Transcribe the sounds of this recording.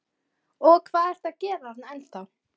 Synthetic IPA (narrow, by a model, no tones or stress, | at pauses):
ɔɣkʰvaːðɛr̥t̪aðcɛːɾaat̪nɛnt̪a